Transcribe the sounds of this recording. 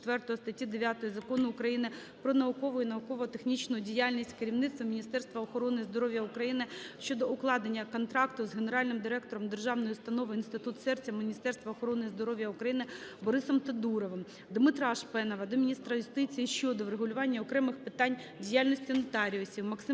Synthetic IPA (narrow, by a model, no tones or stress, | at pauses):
t̪ʋɛrt̪ɔɦɔst̪ɐtʲid̪eʋʲjat̪ɔjizɐkɔnʊːkɾɐjinɪ | pɾɔnɐʊkɔʋʊʊinɐʊkɔʋɔɦɔt̪exnʲit͡ʃnʊjʊdʲijalʲnʲisʲtʲkeɾʲiwnɪt̪t̪ʋɐmʲnʲist̪ɛrst̪ʋɐɔxɔɾɔnɪizd̪ɔɾɔʋʲjɐʊkɾɐjinɪʃt͡ʃɔd̪ɔʔʊklˠɑd̪enʲːɐkɔnt̪ɾɑkt̪ʊzɦeneɾɑlʲnɪmd̪ɪɾɛk̚t̪ɔɾɔmd̪erʒɑwnɔjʊst̪ɐnɔʋɪinst̪ɪt̪ut̪sɛrt͡sʲːɐmɪnʲist̪ɛrst̪ʋɐɔxɔɾɔnɪizd̪ɔɾɔʋʲjɐukɾɐjinɪbɔɾɪsɔmt̪ɐd̪uɾɔʋɪm | d̪mɪt̪ɾɑʃpɛnɔʋɐd̪ɔmʲinʲist̪ɾɐjʊst̪ɪt͡sʲijiʃt͡ʃɔd̪ɔʋɾeɦʊlʲʊʋɑnʲːɐɔkɾɛmɪxpɪt̪ɑnʲdʲijalʲnɔsʲtʲinɔt̪ɑɾʲiɔsʲimɐksɪ